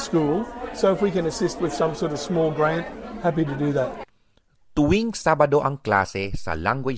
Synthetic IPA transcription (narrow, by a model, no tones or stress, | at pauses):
skulˠsoʊəfwikɨ̃nɨsɪst̚wɨð̥sʌ̃msɔɹɾʌv̥smɔlˠɡɹæ̃nt̚hæp̬iɾɨdɨðæt̚ | t̪ʊwiŋsabɐd̪o̞ʔɐŋkla̰ːsɛsɐ̰laŋɡɔ